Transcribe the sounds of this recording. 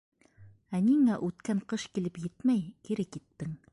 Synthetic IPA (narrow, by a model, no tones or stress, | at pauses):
æniŋæʔʉt̪kæɴqɤʃkilɘpjɘt̪mæjkiɾɘkit̪ːɘŋ